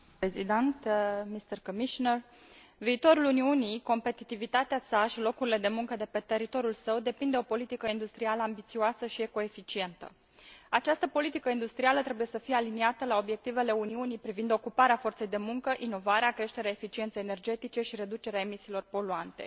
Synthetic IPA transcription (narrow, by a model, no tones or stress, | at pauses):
pezid̪ent̪mist̪erkomiʃoner | viːt̪o̞ɾuluniunijko̞mpe̞t̪it̪ivit̪at̪easaʃilo̞kuɾile̞d̪e̞muŋkəd̪e̞pe̞t̪e̞ɾit̪o̞ɾjulsəwd̪e̞pind̪e̞o̞po̞lit̪ikəind̪ust̪ɾialəambit̪sioasəʃie̞ko̞e̞fit͡ʃie̞nt̪ə̰ | at͡ʃast̪əpo̞lit̪ikəind̪ust̪ɾialət̪ɾe̞buje̞səfijealiniat̪əlao̞bje̞k̚t̪ive̞le̞uniunijpɾivind̪o̞kupaɾeafo̞rt̪se̞jd̪e̞muŋkəʔino̞vaɾeakɾe̞ʃt̪e̞ɾeaefit͡ʃient̪sejene̞rd͡ʒe̞t̪it͡ʃe̞ʃiɾe̞d̪ut͡ʃe̞ɾeaemisiːlo̞rpo̞luant̪e̞̰